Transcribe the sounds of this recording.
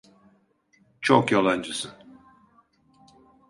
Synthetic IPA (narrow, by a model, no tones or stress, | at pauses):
t͡ʃʰokjalˠand͡ʒɯsɯn